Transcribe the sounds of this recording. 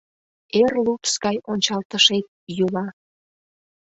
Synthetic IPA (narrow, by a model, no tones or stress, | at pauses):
erlupskɑjʔonʲt͡ɕɑlt̪əʃet̪̚julɑ